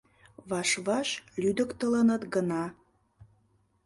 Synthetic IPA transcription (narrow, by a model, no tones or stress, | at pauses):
βɑʃβɑʃlyd̪əkt̪ələnət̪ɡənɑ